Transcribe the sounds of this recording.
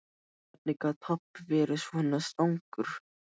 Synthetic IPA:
ɛpnikat̪ʰɔpːvɛːɾɪsɔhɛnːast̪awŋkʏɾ̥

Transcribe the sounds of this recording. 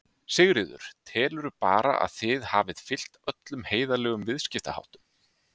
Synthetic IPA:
sɪɣɾɪðʏ̰ɾ̥t̪ʰɛːlʏɾʏpa̰ːɾa̰ʔa̰ðθɪðhaːvɪðfɪl̥t̪œt̪lʏmheːjðalɛːɣʏmvɪðscɪft̪a̰ha̰wht̪ʏm

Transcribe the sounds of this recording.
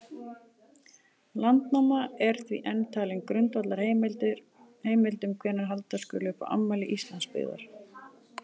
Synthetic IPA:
lant̪namaɛɾ̥θvḭʔɛnːt̪ʰaːlɪŋkɾʏnt̪vat̪laɾ̥h̪ | heːjmɪlt̪ʏmkʰvɛːnːaɾɦalt̪askʏ̰lʏːpa̰ʔa̰mːalɪʔist̪lanspɪ̰ɣða̰ɾ̥

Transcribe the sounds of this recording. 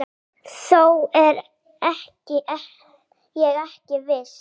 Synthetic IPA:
sowɛɾ | ɛhcɪʔɛ | jɛɣɛhcɪvɪs

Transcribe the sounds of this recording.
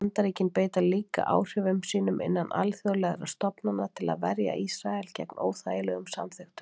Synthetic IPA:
nt̪aɾiːcɪnpeːjt̪aliːka̰ʔa̰ːwr̥ɛvʏmsiːnʏmʔɪ̰nːanʔalθjɔwlɛɣaɾa̰st̪ɔpnanat̪ʰɪla̰ðvɛɾja̰ʔisɾaɛlcɛ̰knoːwθaːjɪlɛɣʏmsa̰mθʏxt̪ʏ̥

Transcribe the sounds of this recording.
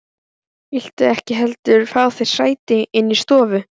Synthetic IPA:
il̥t̪ɪɛhcɪɦɛlt̪ʏɾ̥faːwθejɾ̥saːjt̪ɪɪnːist̪ɔːvʏ

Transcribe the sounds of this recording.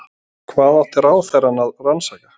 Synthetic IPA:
kʰvaːðaht̪ɛɾaːwθɛɾanaðransajka

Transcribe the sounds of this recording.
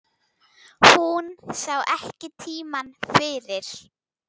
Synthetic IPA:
hunsaːwʔɛhcɪt̪ʰiːmanfɪːɾɪɾ̥

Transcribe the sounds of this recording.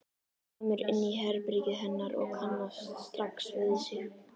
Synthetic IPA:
kɔmʏɾɪ̰nːiɦɛɾpɾicɪɦɛnːaɾɔ̰ɣkʰanːast̪st̪ɾaksvɪðsɪ

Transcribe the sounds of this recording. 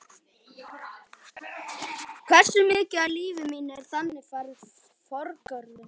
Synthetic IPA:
kʰvɛr̥sʏmɪːcɪaliːvɪmiːnaɛɾ̥θanːɪfaɾɪ | fɔɾkœɾðʏm

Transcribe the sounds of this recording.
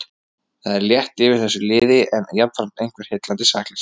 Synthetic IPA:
θaðɛɾljɛht̪ɪvɪɾ̥θɛsːʏlɪːðɪʔɛnjapn̥fɾam̥t̪ejŋ̥kvɛɾ̥hejt̪lant̪ɪsaːklɪs

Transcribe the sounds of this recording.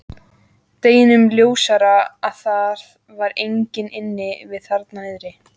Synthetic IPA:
t̪eːjɪnʏmljoːwsaɾaaðθaɾð | vaɾejɲcɪnɪnːɪvɪðθaɾt̪naɪðɾɪ

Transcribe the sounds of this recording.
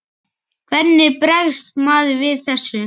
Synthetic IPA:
kʰvɛɾnːɪpɾɛɣst̪maːðʏvɪðθɛsːʏ

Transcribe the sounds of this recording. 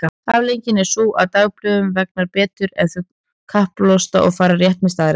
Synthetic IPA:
aavlejɲcɪnɛɾ̥suːʔa̰ðt̪aːɣplʏðʏmvɛk̚naɾpɛːt̪ʏɾɛnθœ | kʰahplowst̪aʔɔɣfaːɾarjɛht̪mɪst̪aːðɾ

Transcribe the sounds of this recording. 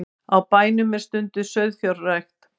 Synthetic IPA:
awpaːjnʏmːɛɾ̥st̪ʏnt̪ʏsœɥðfjaɾɛxt̪

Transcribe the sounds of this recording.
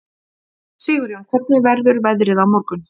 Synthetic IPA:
sɪːɣʏɾɪumkʰvɛt̪̚nɪvɛɾðʏɾvɛðɾɪðawmɔɾkʏn

